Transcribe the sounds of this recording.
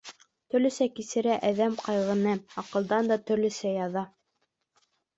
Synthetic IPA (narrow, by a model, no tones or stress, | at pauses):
t̪ɵ̆ɾlɵ̆sækisɘ̆ɾæʔæðæmqɑjʁɤ̆nɤɑqɤ̆lˠd̪ɑnd̪ɑt̪ɵ̆ɾlɵ̆sæjɑðɑ